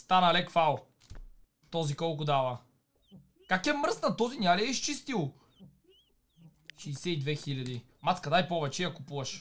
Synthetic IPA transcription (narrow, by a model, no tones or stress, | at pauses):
st̪anɐlɛkfalˠ | t̪ɔzikɔlˠkʊd̪avɐ | kakɛmɾ̩snɐt̪ɔzinʲjaliɛiʃt͡ʃist̪ilˠ | ʃisɛid̪vɛxilʲɐd̪i | mat̪skɐnajpɔvɛt͡ʃɛijɐkʊpuvɐʃ